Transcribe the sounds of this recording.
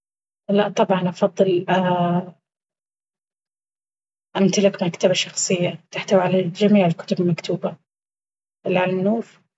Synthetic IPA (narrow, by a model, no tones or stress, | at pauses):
laʔt̪ˤːɑbʕɑnʔɑfɑðˤːɨla | ʔamt̪alɪkmakt̪abaʃɑxsˤɨjːat̪ɪħt̪awʕalad͡ʒamiːʕɪlkʊ̥t̪ʊbɪlmakt̪uːba | ʔɪlːʕalanːuːf